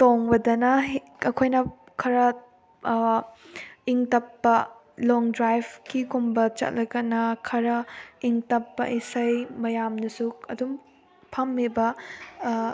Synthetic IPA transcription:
toŋbɐdɐnɐɦ | ɐkʰojnɐ | kʰɐɾɐ | iŋtɐpːɐ | loŋdɾajbkikumbɐt͡ʃɐ̰t̚lɐɡɐnɐkʰɐɾɐiŋtɐpːɐ̰ʔisɐjmɐjamnɐsuɐ̰dum | pʰɐmːebɐ

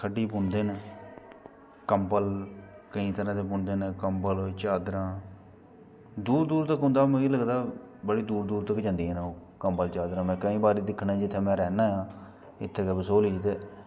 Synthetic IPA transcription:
kʰəɖːiːpʊɳd̪eːn | kəmpəlkəĩːt̪əɾãːt̪eːpʊɳd̪eːnkəmpəlt͡ʃaːd̪ɾãː | d̪uːɾd̪uːɾt̪əkɦʊ̃nd̪aːmẽiːləɡd̪aː | bəɽiːd̪uːɾd̪uːɾt̪əkːd͡ʒãːnd̪iːɛːnaoː | kəmpəlt͡ʃaːd̪ɾãːmɛ̃ːkəĩːbaːɾiːd̪ɪkʰːnãːd͡ʒɪt̪ʰːeːmɛ̃ːɾɛːnãːjãː | ɪ̰t̪ʰːeːkebəsoːliːd͡ʒt̪eː

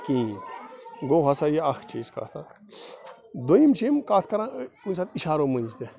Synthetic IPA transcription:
kĩ | ɡoɦɐsajeɐxt͡ʃʰiːska̰t̪ʰa | d̪oimt͡ʃʰimkat̪ʰkɐɾãkunsaːt̪iʃaːɾomənʲd͡ʒt̪e

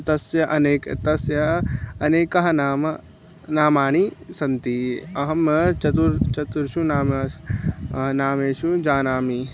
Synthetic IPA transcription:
t̪ɐsjɐʔɐneːkt̪ɐsjɐɐneːkɐɦɐnaːm | naːmaːɳ̃isɐnt̪iɐɦɐmt͡ʃɐt̪uɾt͡ʃɐt̪uɾʃunaːm | naːmeːʃud͡ʒaːnaːmi

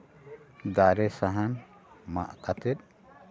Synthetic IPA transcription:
d̪aɾɛsaɦan | ma̰ʔkat̪ɛt̪̚

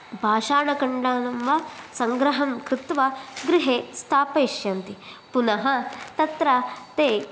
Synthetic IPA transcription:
bʱaːʂaːɳɐkɐɳɖaːnɐmʋɐsɐŋɡɾɐɦɐmkɾɪt̪ʋɐɡɾiɦeːst̪ʰaːpɐːʃjɐnt̪i | punɐɦɐt̪ɐt̪ɾɐt̪eː

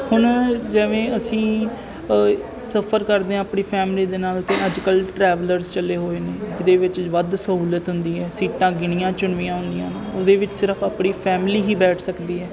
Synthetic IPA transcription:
hʊɳd͡ʒəʋẽːəsĩː | səpʰəɾkəɾd̪eːãːpɳiːpʰɛːmliːd̪eːnaːlt̪ẽːəd͡ʒkəlʈɾɛːʋələɾzt͡ʃəleːɦoːeːneːd͡ʒɪd̪eːʋɪt͡ʃʋəd̪səɦuːlət̪ɦʊnd̪iːɛːsiːʈãːɡɪɽ̃ɪjãːt͡ʃʊɳʋijãːɦʊ̃nd̪ijãːnoːd̪eːʋɪt͡ʃsɪɾəpʰaːpɳiːpʰɛːmɪliːɦiːbɛːʈʰsəkd̪iːɛː

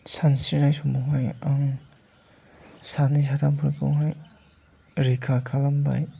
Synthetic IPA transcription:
sansinajsɔmɔŋɦajaŋ | sanis̬atʰampʰuɾpʰɔ̰ŋɦaj | ɾikʰakʰalamba̰j

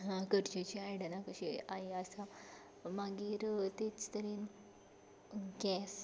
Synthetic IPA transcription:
ɦãkəɽt͡ɕet͡ɕiajɽənakəɕiajəsa | maɡiːɾt̪et͡st̪əɾiːn | ɡɛs

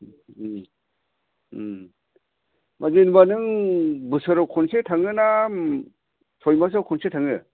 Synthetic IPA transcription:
mʔazenbanɯŋbɯsɯɾɔwkʰɔnsetʰaŋɯnam | sʰɔjmas̬awkʰɔnsetʰaŋɯ

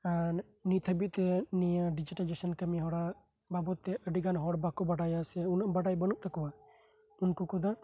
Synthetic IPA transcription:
an | nit̪ʰəbit̪ɛniəɖid͡ʒiʈald͡ʒesɔnkəmiɦɔɽa | babɔt̪ːɛʔəɖiɡanɦɔɽbakɔbaɖajasɛunaʔbaɖajbənuk̚t̪akɔwa | unkukɔd̪a

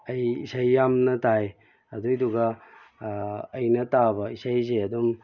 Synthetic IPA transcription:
ɐjḭsajːamnɐtaj | ɐdujduɡɐ | jnɐtabɐisajseɐdum

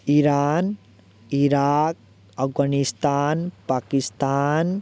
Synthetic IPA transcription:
iɾan | iɾak̚ | əfɡanist̪aːnpakist̪an

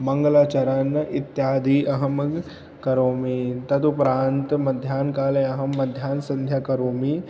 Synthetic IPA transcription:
mɐŋɡlaːt͡ʃɐɾɐnʔit̪jaːd̪ʱiːʔɐɦɐm | kɐɾoːmit̪ɐt̪upɾaːnt̪mɐd̪ʱjaːnkaːlejɐɦɐmːɐd̪ʱjaːnsɐ̃nd̪ʱjaːkɐɾoːmi

